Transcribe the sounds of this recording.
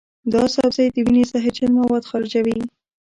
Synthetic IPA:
d̪ɑsawzajd̪əwinesaɦɪt͡ʃanmawɑd̪xɑɾɪd͡ʒawi

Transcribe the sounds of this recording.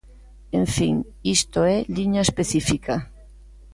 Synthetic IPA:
eɱfiŋ | ist̪oeliɲaespeθifika

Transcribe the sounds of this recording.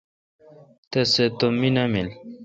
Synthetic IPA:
t̪eset̪omːinɐmil

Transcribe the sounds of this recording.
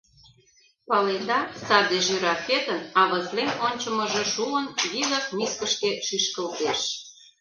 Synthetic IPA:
pɑled̪ɑsɑd̪eʃyɾɑfet̪ənɑβə̆zlenonʲt͡ɕə̆mə̆ʒĕʃuənjizɑkmiskə̆ʃk̪eʃyʃkə̆lt̪eʃ

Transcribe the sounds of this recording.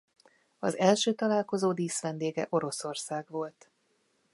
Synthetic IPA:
ɒ̰zɛlʃøːt̪ɒlaːlko̞zoːd̪iːsʋɛnd̪eːɡɛ̰ʔo̞ɾo̞so̞rsaːɡʋo̞lt̪

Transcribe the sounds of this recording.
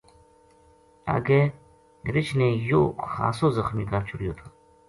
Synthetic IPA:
a̰ɡe | ɾɪt͡ɕnẽjoːxa̰ːsoːzɐxmiːkaːɾt͡ɕʰuɽijoːt̪ʰu̥

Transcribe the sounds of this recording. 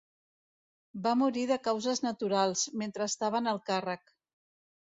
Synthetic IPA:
bamuɾiðəkawzəznət̪uɾalˠzment̪ɾəːst̪aβ̞ənəlˠkarək

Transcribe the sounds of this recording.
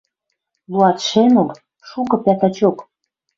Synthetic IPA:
luɑt̪ʃenŏl | ʃukɤ̆pæt̪ɑt͡ɕok

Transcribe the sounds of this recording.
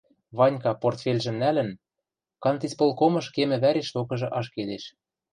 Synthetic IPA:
βɑnʲkɑport̪fʲelʲʒɘ̆mnælɘ̆n | kɑnt̪ispolˠkomɤ̆ʃkemɘ̆βæɾʲeʃt̪okɤ̆ʒɤ̆ʔɑʃked̪eʃ

